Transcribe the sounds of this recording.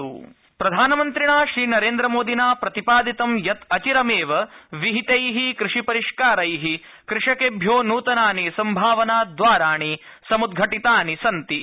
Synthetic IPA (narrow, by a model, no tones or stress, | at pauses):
u | pɾɐd̪ʱaːnɐmɐnt̪ɾiɳaːʃɾiːnɐɾeːnd̪ɾɐmoːd̪ʱinaːpɾɐt̪ipaːd̪it̪ɐmjɐt̪ɐt͡ʃiɾɐmeːʋɐʋiɦit̪ɐjɦikɾɪʂipɐɾiʂkaːɾɐjɦi | kɾɪʂɐkeːbʱjoːnuːt̪ɐnaːnisɐmbʱaːʋɐnaːd̪ʋaːɾaːɳi | sɐmud̪̚ɡʱɐʈit̪aːnisɐnt̪i